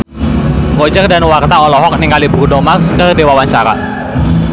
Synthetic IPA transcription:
ɡod͡ʒərdanwart̪aɔlɔɦɔk̚niŋɡalibɾudɔmarskərdewawaɲt͡ʃaɾa̰

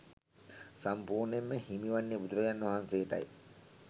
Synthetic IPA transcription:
sampuːɾnemːehimiʋɐnːibud̪uɾɐɡænːuʋɐɦanseːʈɐ̰ji

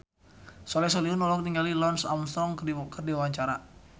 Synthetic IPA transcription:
sɔlɛs̬ɔliunɔlɔk̚niŋalilɔnsa̰msɔŋkədibɔkərdiwawaɲt͡ʃaɾa

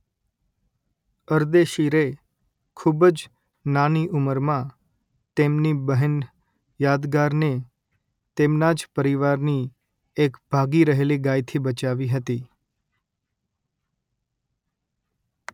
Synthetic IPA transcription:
əɾd̪eʃiɾe | kʰubəd͡ʒ | naniʔuməɾmã | t̪emnibəɦən | jad̪ɡaɾne | t̪emnad͡ʒpəɾiʋaɾni | ekb̥ʱaɡiɾəɦeliɡajt̪ʰibət͡ʃaʋiɦət̪i

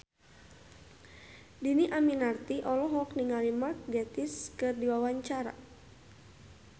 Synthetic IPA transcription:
diniʔaminart̪iʔɔlɔɦɔkniŋalimark̚ɡɛt̪iskɨrdiwawaɲt͡ʃaɾa̰

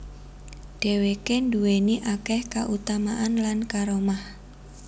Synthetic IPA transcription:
ɖ̥e̤wekenduweniʔakɛhkaʔut̪amaʔanlankaɾomah

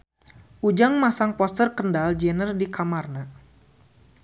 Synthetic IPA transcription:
ʔud͡ʒaŋmasaŋpɔst̪ərkəndald͡ʒɛnərdikamarna

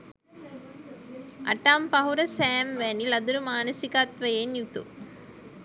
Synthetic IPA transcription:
ʔɐ̰ʈaːmpɐɦuɾɐsæːmʋænilɐd̪uɾumaːnəsikat̪ʋɐjenjut̪ṵ

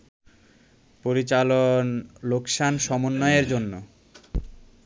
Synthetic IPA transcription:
poɾit͡ɕalonlokʃanʃɔmonːɔeeɾd͡ʑonːo

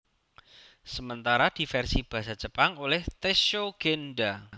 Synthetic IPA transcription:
səmənt̪aɾad̪̥i̤fɛrsib̥a̤sḁd͡ʒ̥ə̤paŋolɛht̪eʃoɡ̥enɖa

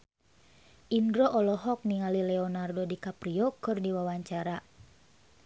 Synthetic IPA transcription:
ʔindɾɔʔɔlɔɦɔk̚niŋalilɛɔnardodikapɾiɔkɨrdiwawaɲt͡ʃaɾa

